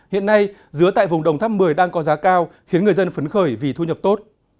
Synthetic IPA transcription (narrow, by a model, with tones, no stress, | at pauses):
hḭ˧˨ənːa˧jzɨ˧˦ət̪a̰ː˧˨jvʊ˨˩ŋ͡mɗə˨˩wŋ͡mt̪ʰa˦˥p̚mɨ˨˩əjɗaː˧ŋkɔ˨˦zaː˨˦kaː˧wxi˨˦ənŋɨ˨˩əjzə˧nfə˨˦nxəː˧˩jvi˨˩t̪ʰu˧ɲə˨˩p̚t̪o˦˥t̚